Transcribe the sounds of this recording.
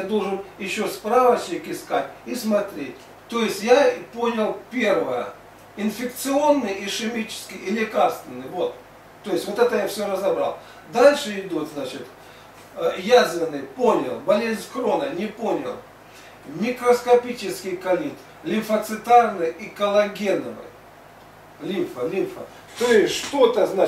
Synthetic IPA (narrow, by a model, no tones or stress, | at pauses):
d̪o̞lˠʐɨnjɪɕːo̞spɾavət͡ɕnʲɪkɪskatʲismɐt̪ɾʲet̚ʲ | t̪o̞jɪsʲtʲjapo̞nʲɪlˠpʲe̞rvəjə̰ | ɪnfʲɪk̚t̪sɨonːɨjiʂɨmʲit͡ɕɪ̥skʲɪjɪlʲɪkarst̪ʲvʲɪnːɨjvo̞t̪ː | o̞jɪsʲvo̞t̪ɛt̪əjafsʲoɾəzɐbɾa̰lˠ | d̪alʲʂɨɪd̪ut̪znat͡ɕɪt̪ | jazʲvʲɪnːɨjpo̞nʲɪ̰lˠbɐlʲezʲnʲskɾonənʲɪpo̞nʲɪ̰lˠ | mʲɪkɾəskɐpʲit͡ɕɪskʲɪjkɐlʲit̪ | lʲɪnfət̪sɨt̪arnɨjikəlˠɐɡʲenəvɨ̰j | lʲimfəlʲinfə | t̪o̞jɪsʲʂt̪o̞t̪əzna